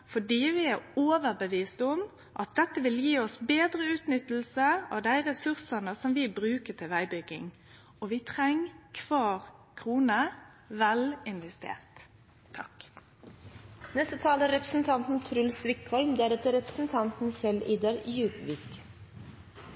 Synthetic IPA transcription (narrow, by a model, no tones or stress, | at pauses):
fɔɖiːʋɪæʁoːʋəɾbəʋiːst̪ʊm | ʔɑt̪̚d̪ɛt̪ːəʋɪljiːɔsbeːd̪ɾəʉːt̪nʏt̪ːl̩səɑ̰ʋd̪æɪʁɛsʉʁsənəsɔmʋɪbʁʉːkət̪ʰɪlʋæɪbʏɡɪ̰ŋ | ɔʋɪt̪ʰʁɛŋːkʰʋɑːʁkʰʁuːnə | ʋɛlɪnʋɛst̪ḛːʁt̪ʰː | ɑ̰k | nɛst̪ət̪ʰɑːləæɾɛpɾəsn̩t̪ʰɑnt̪n̩t̪ʰɾʉlsʋɪkʰhɔlmd̪æɾɛt̪ːəɾɛpɾə̥sn̩t̪ʰɑnt̪n̩sɛliːd̪ɑɾjʉːpʋiːk